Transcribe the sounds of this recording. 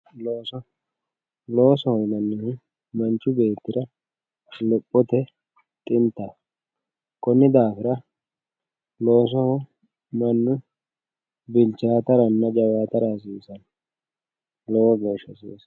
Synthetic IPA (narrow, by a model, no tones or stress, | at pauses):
loːsɔ | lo̞ːsɔhɔmɐnːɪhɪ | mɐnt͡ʃʊbe̞ːt̪ːɪɾɐ | lɛpʼːɔt̪ɛ | t̪ʼɪnt̪ːɐ | kɔnːɪd̪aːfɪɾɐ | loːs̬ɔhɔ | mɐnːʊ | bɪlt͡ʃaːt̪ɐɾɐnːɐd͡ʒɐwaːt̪ɐɾɐs̬iːsɐn | lɔwɔɡɛʃɐsḭːs